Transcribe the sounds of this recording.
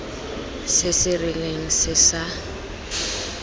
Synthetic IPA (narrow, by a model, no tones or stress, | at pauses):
sɪsɪrɪleŋ̩sɪsa